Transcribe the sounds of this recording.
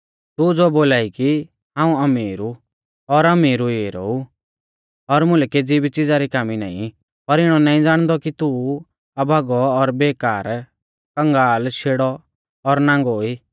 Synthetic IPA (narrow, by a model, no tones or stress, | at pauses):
t̪ud͡zoːboːlaːiki | ɦãːũɐmiːɾu | ɔɾɐmiːɾueɾɔ̰u | ɔɾmʊ̃lked͡zibit͡sɪd͡zaɾikaːmina̰ːḭ̃ | pɐɾɪɽ̃ɔnaːĩd͡zaːɽ̃d̪ɔkit̪u | ɐbʱaɡɔːɾbeːkaːɾ | kɐ̃ŋɡaːlʃʰeːɽɔ | ɔɾnãːŋɡɔiː